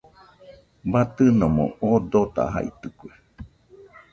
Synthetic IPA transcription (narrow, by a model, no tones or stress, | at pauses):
bat̪ɨnomõ̰ʔod̪ot̪a̰ɦa̰ʔḭt̪ɨkʷe